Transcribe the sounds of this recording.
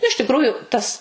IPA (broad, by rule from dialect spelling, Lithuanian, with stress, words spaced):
ɪʃ tʲɪkˈruːjʊ ˈtɐs